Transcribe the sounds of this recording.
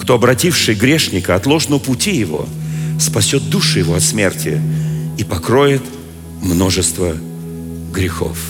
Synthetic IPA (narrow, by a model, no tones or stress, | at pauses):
kt̪o̞ɐbɾɐtʲifʂɨjɡɾʲe̞ʂnʲɪkəɐt̪lˠo̞ʐnəpʊtʲijɪvo̞̰spɐsʲot̪̚d̪uʂɨjɪvo̞ɐt̪smʲe̞rtʲʰɪ̰ipɐkɾo̞jɪt̪ | mno̞ʐɨst̪və | ɡɾʲɪxo̞̰f